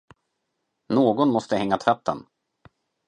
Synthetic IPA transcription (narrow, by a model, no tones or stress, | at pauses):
noːɡɔnmɔst̪əɦɛŋːat̪ʰɾœt̪ːə̰n